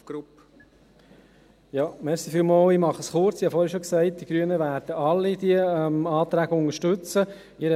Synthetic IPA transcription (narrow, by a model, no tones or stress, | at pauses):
ɡ̥ɾup | jɑːmɛɾsifilmɑːlimɑχəsχʊɾt͡sɪhɑfɔːɾhɛʃoksæɪt̚d̥iɡ̥ɾyənəʋæːɾdəɑlːid̥iəɛmɑːt̪ɾæːɡəʊnəʃtɵt͡sə | ɪɾə